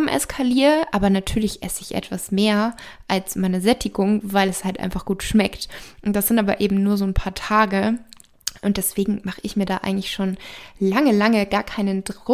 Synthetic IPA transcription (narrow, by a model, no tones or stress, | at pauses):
mʔɛ̰skʰaliːʁəʔaːbɐnatʰyːɐlɪçʔɛ̰səɪçʔɛ̰tv̥asmeːɐ | ʔalsmaɪnəzɛtʰɪɡʊŋvaɪlɛshaltʔa̰ɪnfaχɡ̥uːtʃmɛktd̥asz̥ɪntʔaːbɐ̰ʔeːbm̩nuːɐzoːnpʰaːɐtʰaːɡə | ʔʊnt̚d̥ɛsv̥eːɡŋ̩maχəʔɪçmiːɐdaːʔa̰ɪɡŋ̩tlɪçʃoːnlaŋəlaŋəɡaːɐkʰaɪnəndʁʊ